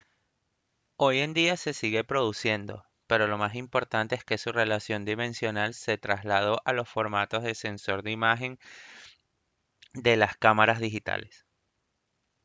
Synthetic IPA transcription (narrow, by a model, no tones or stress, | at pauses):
o̞je̞nd̪iase̞siɣe̞pɾo̞ðusje̞nd̪o̞̰ | pe̞ɾo̞lo̞masimpo̞ɾt̪ant̪e̞eske̞sure̞lasjo̞nd̪imẽ̞nsjo̞nalse̞t̪ɾazlað̞o̞ʔalo̞sfo̞ɾmat̪o̞zðe̞se̞nso̞ɾðeimaxe̞n | d̪e̞laskamaɾazðixit̪a̰le̞s